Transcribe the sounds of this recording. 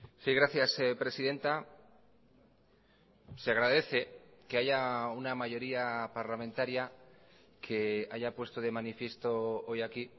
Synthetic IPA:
siɣɾaθjasepɾe̞siðe̞nt̪a | seaɣ̞ɾaðe̞θe̞ke̞aʝaunamaʝo̞ɾiapaɾlamẽnt̪aɾja | kʰe̞aʝapwe̞st̪o̞ðe̞manifje̞st̪o̞o̞jaki

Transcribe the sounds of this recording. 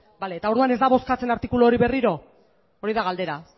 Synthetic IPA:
bale̞ːt̪ao̞ɾðuanezd̪aβo̞skat͡se̞naɾt̪ikulooɾiβe̞riɾo̞ | oɾiðaɣald̪e̞ɾa

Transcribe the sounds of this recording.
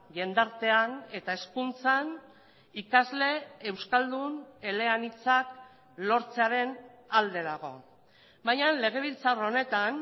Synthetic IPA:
ɡe̞nd̪aɾt̪e̞ane̞t̪ae̞skunt͡san | ikazle̞ːwskald̪une̞le̞anit͡sak | lo̞ɾt͡seaɾe̞nald̪e̞ðaɣ̞o̞̰ | bajɲanle̞ɣ̞e̞β̞ilt͡sarone̞t̪an

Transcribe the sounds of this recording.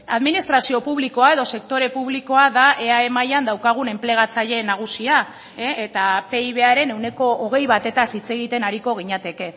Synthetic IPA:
aðminist̪ɾasiopuβliko̞ae̞ðose̞kt̪o̞ɾe̞puβliko̞aðaʔe̞ae̞majand̪awkaɣ̞une̞mple̞ɣ̞at͡saʎe̞naɣ̞usia | eet̪ape̞iβ̞e̞aɾe̞ne̞wne̞ko̞ʔoɣ̞e̞jβat̪e̞t̪asit͡se̞ɣ̞it̪e̞naɾiko̞ɣ̞iɲat̪e̞ke̞

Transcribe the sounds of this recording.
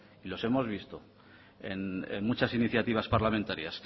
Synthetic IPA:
ilo̞se̞mo̞zβ̞ist̪o | ḛnḛnmut͡ʃasiniθjat̪iβ̞aspaɾlamẽnt̪aɾjas

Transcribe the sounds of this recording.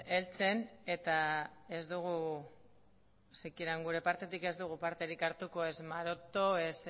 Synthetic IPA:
e̞lt͡se̞ne̞t̪ae̞zd̪uɣ̞u | sekiɾaŋɡuɾe̞paɾt̪e̞t̪ike̞zd̪uɣupaɾt̪e̞ɾikaɾt̪uko̞e̞smaɾo̞t̪o̞e̞s

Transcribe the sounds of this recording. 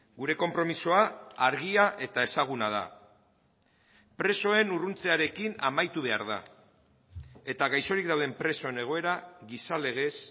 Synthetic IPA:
ɡuɾe̞ko̞mpɾo̞misoaːɾɣiaʔe̞t̪ae̞saɣ̞unað̞a̰ | pɾe̞so̞e̞nurunt͡se̞aɾe̞kina̰majt̪uβ̞e̞aɾð̞a̰ | e̞t̪aɣajso̞ɾikd̪awðempɾe̞so̞e̞ne̞ɣ̞o̞e̞ɾaɣisale̞ɣ̞e̞s

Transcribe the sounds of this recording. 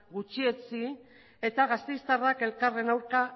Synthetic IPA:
ɡut͡ʃie̞t͡si | e̞t̪aɣast̪ejst̪arake̞lkare̞nawɾka

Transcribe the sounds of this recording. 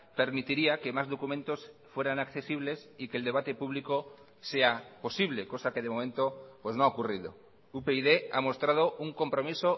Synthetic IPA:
pe̞ɾmit̪iɾiake̞mazðo̞kumẽ̞nt̪o̞sfwe̞ɾanakθe̞siβle̞sikeld̪e̞β̞at̪e̞puβ̞liko | se̞apo̞siβ̞le̞ko̞sake̞ðemo̞mẽ̞nt̪o̞pwe̞znoaokurið̞o̰ | upeiðea̰mo̞st̪ɾað̞o̞uŋko̞mpɾo̞miso

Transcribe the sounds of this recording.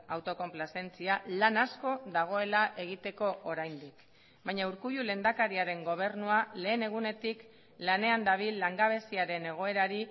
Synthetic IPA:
awt̪o̞ko̞mplase̞nt͡sialanasko̞ðaɣ̞o̞e̞laʔe̞ɣ̞it̪e̞ko̞ʔoɾajnd̪ik | bajɲauɾkuʎule̞ːnd̪akaɾiaɾe̞ŋɡo̞β̞e̞ɾnuale̞ːne̞ɣ̞une̞t̪ik | lane̞and̪aβ̞ilːaŋɡaβ̞e̞siaɾe̞ne̞ɣ̞o̞e̞ɾaɾi

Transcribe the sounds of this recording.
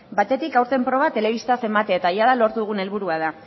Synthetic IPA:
bat̪e̞t̪ikawɾt̪e̞mpɾo̞βat̪e̞le̞β̞ist̪ase̞mat̪eet̪ajaðalo̞ɾt̪uðuɣ̞une̞lβ̞uɾuað̞a

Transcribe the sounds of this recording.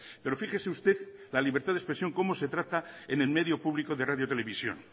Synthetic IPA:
pe̞ɾo̞fixeseust̪e̞ðlaliβe̞ɾt̪aðe̞spɾe̞sjo̞ŋko̞mo̞se̞t̪ɾat̪aene̞lme̞ðjo̞puβliko̞ðeraðjo̞t̪e̞le̞βisjo̞̰n

